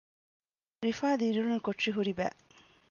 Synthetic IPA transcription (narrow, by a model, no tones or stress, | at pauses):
ɾifaːd̪iɾuɾunukoʈʂiɦuɾibæ̰ː